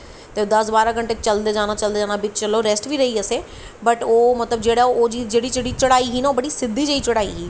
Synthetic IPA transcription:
t̪eːd̪əsbaːɾaːkəɳʈeːt͡ʃəld̪eːd͡ʒaːnaːt͡ʃəld̪eːd͡ʒaːnaːbɪt͡ʃt͡ʃəlːoːɾɛːsʈʋiːɾəɦiːəseː | bəʈoːmət̪ləb̚d͡ʒeːɽaːoːd͡ʒiːd͡ʒeːɽiːt͡ʃeːɽiːt͡ʃəɽaːiːɦiːnaːoːbəɽiːsɪd̪ːiːd͡ʒəiːt͡ʃəɽaːḭːɦiː

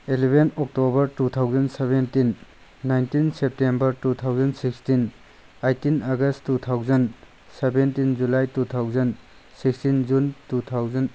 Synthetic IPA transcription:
elebʱenɔk̚tobɐɾtut̪ʰawzɐnsebentinː | ajntinsep̚tembɐɾtut̪ʰawzɐnsikstin | ajtinaɡɐstːut̪ʰawzɐn | sebentind͡ʒulajtutʰawzɐn | sikstind͡ʒuntutʰawzɐn

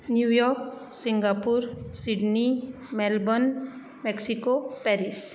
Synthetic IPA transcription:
njujɔk | siŋɡapuɾsiɖni | mɛlbɔn | meksikopɛɾis

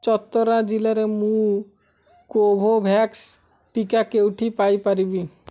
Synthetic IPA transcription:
t͡ɕɔt̪ːoɾad͡ʑilaɾemu | kobʱobʱɛks | ʈikakewʈʰipajpaɾibi

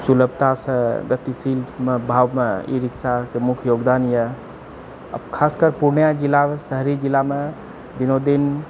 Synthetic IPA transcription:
suləb̚ʱt̪asə̃ɡət̪isilmebʱaːwmeḭɾɪksakemʊkʰjoːɡd̪anjḛ | kʰaːskəɾpuɾnjad͡ʒilasəɦɾid͡ʒilame | binod̪in

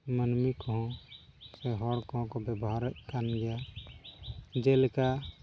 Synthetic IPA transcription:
mənmikɦõ | seɦɔɽkõkobəbɦaɾkanɡɛja | d͡ʒelka

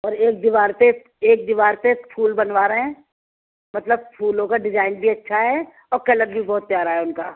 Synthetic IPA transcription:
ɔːɾeːk̚d̪iʋaːɾpe | eːk̚d̪iʋaːɾpepʰuːlbɐnʋaːɾeɦɛ̃ː | mɐt̪ləb̚pʰuːlõkaɖɪd͡ʒaːɪnbʱiɐtːʃʰaɦɛ | ɔːɾkɐləɾbʱibɔːt̪̚pjaːɾaɦɛʊnkaː

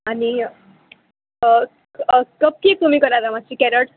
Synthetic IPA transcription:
ani | kəp̚kiek̚t̪um̤ĩkəɾalamat͡ɕikɛɾəʈ

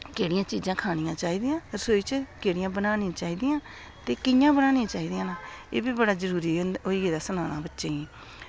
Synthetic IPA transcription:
keːɽɪjãːt͡ʃiːd͡ʒãːkʰaːnɪjãːt͡ʃaːiːd̪ɪjãːsoːiːt͡ʃkeːɽɪjãːbənaːnɪ̃ːãːt͡ʃaːiːd̪ɪjãː | t̪eːkɪjãːbənaːnɪ̃ãːt͡ʃaːiːd̪ɪjãːnaːḛːbiːbəɽaːzəɾuːɾiːoiːɡeːd̪aːsənaːna̰ːbətːʃeːiː

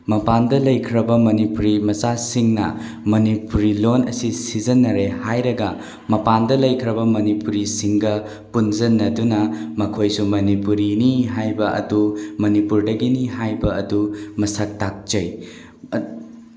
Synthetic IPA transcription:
mɐpandɐlɐjkʰɾɐbɐmɐnipuɾimɐsasiŋnɐ̰ | mɐnipuɾilonɐsisizɐnɐɾehajɾɐɡɐ | mɐpandɐlɐjkʰɾɐbɐmɐnipuɾisiŋɡɐ | punzɐnːɐdunɐmɐkʰojsumɐnipuɾiniɦajbɐʔɐ̰dumɐnipuɾdɐɡiniɦajbɐɐdumɐsɐk̚tak̚t͡ʃɐj

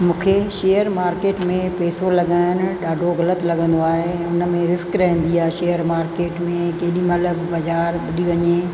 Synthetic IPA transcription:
mũːkʰeʃeːjəɾmaːɾkeːʈmẽpeːsolɐɠaːɪnɪ̆ɗaːɖʱoɣɐlət̪lɐɠə̃nd̪oaːɦeʊnəmẽɾɪskɾɐɦĩn̆d̪iaːɦeʃeːjəɾmaːɾkeːʈmẽkeːɗimɐləbbɐzaːɾɓɐɗiʋɐɲe

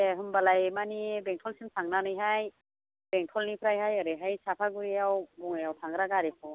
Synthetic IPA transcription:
eɦɯmbalajmanibɛŋtʰɔlsɯnsʰaŋnanɯjɦaj | beŋtʰɔlnipʰɾajɦajɔɾɯɦajsapʰaɡuɾiawbɔŋejawtʰaŋɡɾaɡaɾekʰɔ

